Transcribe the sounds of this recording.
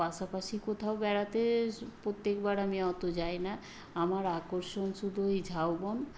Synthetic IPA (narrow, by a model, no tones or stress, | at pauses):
paʃapaʃikot̪ʰaobɛɽat̪epot̪ːekbaɾamiɔt̪od͡ʑajna | amaɾakoɾʃonʃud̪ʱoid͡ʑʱawbon